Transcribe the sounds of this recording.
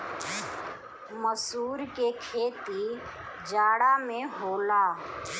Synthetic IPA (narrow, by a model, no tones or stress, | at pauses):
məsuːɾkekʰeːt̪i | d͡ʒaːɽamẽɦoːlaː